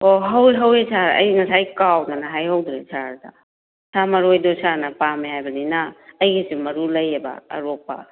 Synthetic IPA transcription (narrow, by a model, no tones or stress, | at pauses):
oɦɐwɦɐwesʰaɾɐ̰jnɐsʰajkawnanaɦajɦɐwdɾesʰaɾda̰ | sʰamɐɾojdosaɾnɐpameɦajbɐninaːjɡisimɐɾulɐjeba̰ɐ̰ɾok̚pa̰